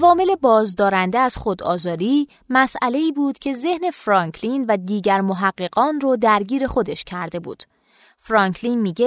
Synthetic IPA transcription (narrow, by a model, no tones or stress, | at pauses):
ʔævɒːme̞le̞bɒːzd̪ɒːɾænd̪eæz̥χod̪ɒ̰ːzɒːɾiː | mæsʔæle̞iːbuːd̪̥cʰe̞ze̞hne̞fɾɒːŋkʰlinvæd̪iːɟæɾmoɦæɢːe̞ɡɒːnrɔd̪æɾɟiːɾe̞xo̞d̪e̞ʃcʰæɾd̪e̞bṵːd̪̥ | fɾɒːŋkʰliːnmiːɟe